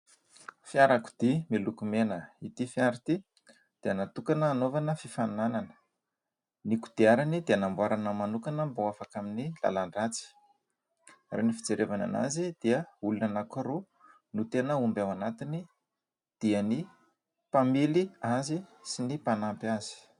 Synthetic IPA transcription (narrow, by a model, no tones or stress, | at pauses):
fjaɾaku̥d̪̥imilukumenəit̪ifjaɾit̪i | d̪̥eənat̪ukanəːnovanəfifanananə̥ | niku̥d̪̥iaɾanid̪eanambwaɾanəmanukanəmboafakaminila̰laɳɖ͡ʐat͡si̥ | renifi̥d͡zeɾʔevana̰na̰zid̪̥iəulunanakuɾu | nut̪enəumbawanat̪ini | d̪̥iəni | pamiliazisinipanampazi̥